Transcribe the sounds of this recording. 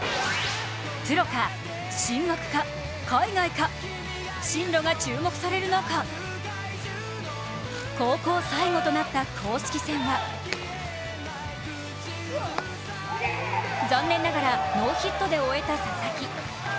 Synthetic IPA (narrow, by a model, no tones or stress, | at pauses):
t͡sɨɾo̞ka | ɕĩŋɡakɯ̟̥ka | kaiɡaika | ɕĩnɾo̞ɡat͡ɕɨːmo̞kɯ̟̥saɾe̞ɾɯ̟noka | ko̞ːko̞ːsaiŋo̞t̪o̞nat̪ːakʰo̞ːɕi̥kʲisẽ̞ɰ̃βa | d͡zãnːẽnːaɡaɾamo̞ːçit̪ːo̞d̪e̞o̞e̞t̪asasakʲi